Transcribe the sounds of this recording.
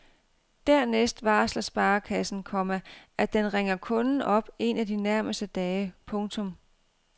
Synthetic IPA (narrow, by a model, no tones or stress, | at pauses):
d̥æɐ̰nesd̥ʋɑ̈ːslɐsb̥ɑ̈ːkʰæsn̩kʰɒ̽mæʔæd̥enʁeŋ̰ɐkʰɔ̽nn̩ʔɒ̽b̥e̝næd̥inæɐməsd̥əd̥ɛːɪpʰɔ̽ŋt͡sʰɔ̽m